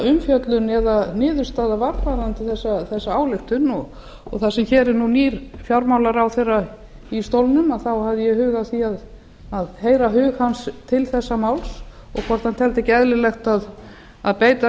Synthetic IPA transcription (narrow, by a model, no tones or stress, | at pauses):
ʏmfjœt̪lʏnɛðanɪːðʏɾ̥st̪aːðavaɾpaɾant̪ʰɪθɛsːaθɛsːaaːwlɪxt̪ʏnɔɣ | ɔɣθasɛmçɛːɾɪɾnuniːɾ̥fjawɾmawlaɾawθejrːa | ist̪owlnʏmaðθawhavðɪjɛhʏːɣaθiað | aðheːjɾaɦʏːɣhanst̪ʰɪlθɛsːamawls | ɔɣkʰɔɾ̥t̪ant̪ʰɛlt̪ɛcɛðlɪlɛxt̪að | aðpeːjt̪a